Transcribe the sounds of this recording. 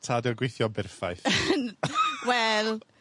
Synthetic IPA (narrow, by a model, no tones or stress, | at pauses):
tʰaːdɔrɡwɪjθjɔbɪrfajθ | wɛlˠ